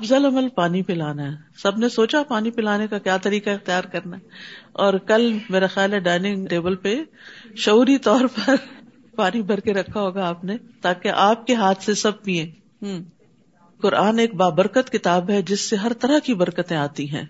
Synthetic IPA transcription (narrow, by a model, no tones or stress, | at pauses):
ɐbzəlɐməlpaːnipelaːnaɦɛ | sɐbʱnesoːt͡ʃapaːnipɪlaːnekakjaːt̪ɐɾiːkaɪxt̪ijaːɾkɐɾnaɦɛɔːɾkɐlmeːɾaxjaːlɦɛɖaːɪnɪ̃ŋɡʈeːbəlpeʃɐuːɾit̪ɔːɾpɐɾ | paːnibʱɐɾkeɾɐkʰːaɦoːɡaaːpnet̪aːkeʔaːp̚keɦaːt̪ʰsesɐb̚piẽː | kʊɾaːneːk̚baːbəɾkət̪kɪt̪aːbɦɛd͡ʒɪsːeɦɐɾt̪ɐɾaɦkibɐɾkət̪ẽaːt̪iɦɛ̰̃ː